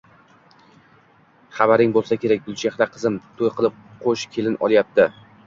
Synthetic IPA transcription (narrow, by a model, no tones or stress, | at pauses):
χɑbaɾɪŋbolˠsakʲe̞ɾak̚ʲbʊlˠt͡ʃaχlaqʰɨzɪmt̪ʰojqʰɨlˠɪp̚qʰoʃkʲʰe̞lɪnɒ̰lˠjap̚t̪ʰɪ